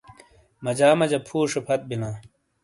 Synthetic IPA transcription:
mɐd͡ʑaːmɐd͡ʑɐpʰuːʂepʰɐt̪̚binaː

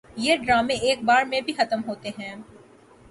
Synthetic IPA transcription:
jeːɖɾaːmẽeːk̚baːɾmẽbʱixɐt̪əmɦoːt̪eɦɛ̃ː

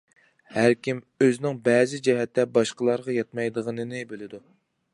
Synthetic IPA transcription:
hæɾkʲim | øznɪŋbɛːzɪd͡ʒɛɦɛt̪ʰːɛbɑʃqəlˠɑɾʁɑjɑt̪mɑjd̪əʁənɨnɨbølɪd̪u

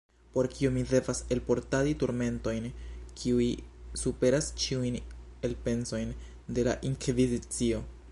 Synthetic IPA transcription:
po̞ɾkʰiomide̞vase̞lpo̞ɾtaditoɾme̞nto̞jnkʰiuisupe̞ɾast͡ʃiujne̞lpe̞nso̞jn | de̞la̰ʔiŋkvizit͡sio̞

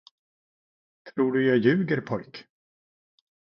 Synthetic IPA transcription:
t̪ʰɾuːɖɵjɑːjʉ̟ːɡəɾpʰɔjk

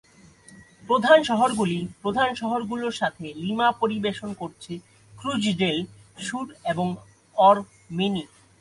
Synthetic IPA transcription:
pɾod̪ʱanʃɔɦoɾɡulipɾod̪ʱanʃɔɦoɾɡuloɾʃat̪ʰelimapoɾibeʃonkoɾt͡ɕʰe | kɾud͡ʑɖel | ʃuɾeboŋ | ɔɾ | meni

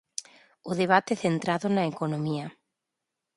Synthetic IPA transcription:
ʊðeβ̞at̪eθent̪ɾaðʊnaekonomiɐ

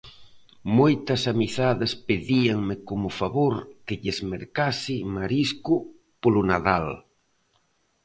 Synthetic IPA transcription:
mojt̪ɐsamiθaðespeðiaŋmɪkomʊfaβoɾkeʎezmeɾkasimaɾisku | polonaðal

